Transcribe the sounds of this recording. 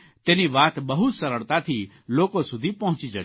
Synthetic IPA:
t̪eːniʋaːt̪bɐɦʊt̪sɐɾəɭt̪at̪ʰi | loːkosʊd̪ʱipɐɦʊ̃t͡ʃid͡ʒa

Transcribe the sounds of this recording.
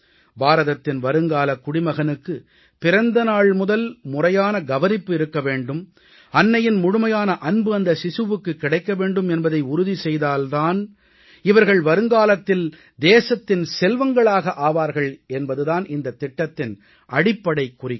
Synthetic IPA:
baːɾɐðɐt̪ːɪnʋɐɾɯŋɡaːlɐkːʊɽɪmɐɣɐnɯkːɯ | pɪɾɐnd̪ɐnaːɭmʊðɐlmʊrɐjaːnɐɡɐʋɐnɪpːɯɪɾɯkːɐʋeːɳɖɯm | ɐnːɐjɪnmʊɻʊmɐjaːnɐʔɐnbɯɐnd̪ɐsɪsɯʋɯkːɯkːɪɽɐɪkːɐʋeːɳɖɯmɛnbɐðɐɪʊɾʊðisɛjðaːlt̪aːn | ɪʋɐɾɣɐɭʋɐɾɯŋɡaːlɐt̪ːɪl | d̪eːsɐt̪ːɪnsɛlʋɐŋɡɐɭaːɣɐʔaːʋaːɾɣɐɭɛnbɐðɯðaːnɪnd̪ɐt̪ːɪʈːɐt̪ːɪn | ʔɐɽɪpːɐɽɐɪkːʊrɪ

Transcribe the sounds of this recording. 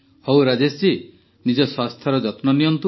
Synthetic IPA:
hɔwɾad͡ʒest͡ʃi | nid͡ʒɔswast̪ʰjɔɾɔd͡ʒɔt̪nɔnijɔnt̪u

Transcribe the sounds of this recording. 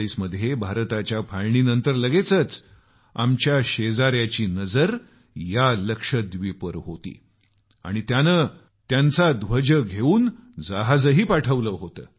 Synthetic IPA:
iːsməd̪ʱjebʱaɾt̪at͡ɕjafʰaɭɳiːnənt̪əɾləɡet͡sət͡s | a̰mt͡ɕjaɕed͡zaɾjat͡ɕiːnəd͡zəɾ | jaləkʂəd̪ʋipəɾɦot̪ḭː | a̰ɽ̃it̪janə | t̪jant͡sad̪ʋəd͡ʑəɡʱeuːnd͡zaɦad͡zəɦiːpaʈʰəʋləɦot̪ə̰ː

